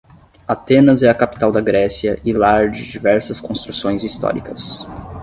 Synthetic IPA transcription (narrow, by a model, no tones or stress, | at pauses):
at̪ẽnɐzɛɐkapi̥t̪awd̪ɐɡɾɛsiɐʔɪlaɾd͡ʒɪd͡ʒivɛɾsɐskõst̪ɾusõj̃zist̪ɔ̰ɾḭkɐs